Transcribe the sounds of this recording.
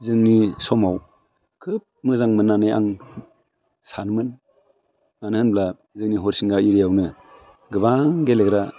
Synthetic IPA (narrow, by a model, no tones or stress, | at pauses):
zɯŋnisɔmaw | kʰɯp̚mɯzaŋmɯnːaneja̰ŋ | sanmɯn | manɯhɯnbla | zɯŋniɦɔɾsiŋɡaiɾijawnɯ | ɡɯβaŋɡeleɡɾa